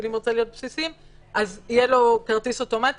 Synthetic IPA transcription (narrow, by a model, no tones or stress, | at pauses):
limʁot͡selijo̞t̪̚psisim | ʔazijelo̞kaʁt̪isoto̞mat̪